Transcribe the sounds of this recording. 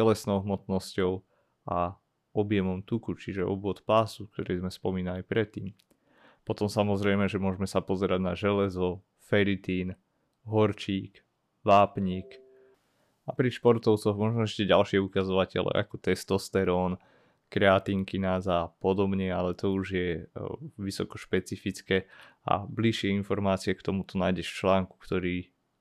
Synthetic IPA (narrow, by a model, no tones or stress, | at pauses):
ɛlɛsnɔʊɦmɔt̪nɔscɔʊ | ʔa | ɔbjɛmɔmt̪ukut͡ʃiʒɛɔ̰bʊɔt̪paːsuk̚t̪ɔɾɛːzmɛspɔmiːnalipɾɛt̪ːiːm | pɔt̪ɔmsamɔzɾɛjmɛʒɛmʊɔʒmɛsapɔzɛɾaɟnaʒɛlɛzɔ | fɛɾit̪iːn | ɦɔɾt͡ʃiːk | ʋaːpɲiːk | apɾiʃpɔɾt̪ɔʊt͡sɔɣmɔʒnɔɛʃcɛɟalʃɪɛukazɔʋacɛ̰lɛ̰ʔa̰kɔt̪ɛst̪ɔst̪ɛɾɔːn | kɾɛat̪iːŋkinazaːpɔd̪ɔbɲɛalɛt̪ɔuʒjɛ | ʋisɔkɔʃpɛt͡sifit͡skɛa̰bliʃɪɛinfɔɾmaːt͡sɪɛkt̪ɔmut̪ɔnajɟɛʃt͡ʃlaːŋku̥kt̪ɔɾiː